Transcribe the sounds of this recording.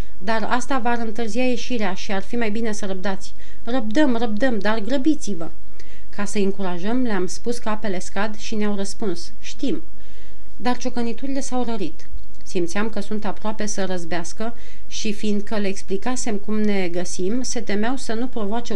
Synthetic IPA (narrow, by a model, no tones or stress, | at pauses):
d̪arast̪avaɾɨnt̪ɨrzijaje̞ʃiɾeaʃiarfimajbine̞səɾəb̚d̪at̪sʲ | rəb̚d̪əmrəb̚d̪əmd̪arɡɾəbit̪sivə | kasəɨŋkuɾaʒəmleamspuskape̞le̞skad̪ʃineawrəspuns | ʃt̪im | d̪art͡ʃo̞kənit̪uɾile̞sawɾəɾit̪ | simt̪siamkəsunt̪apɾoape̞səɾəzbeaskə | ʃifind̪̚kəleeksplikase̞mkumne̞ɡəsimse̞t̪e̞meawsənupɾo̞voat͡ʃe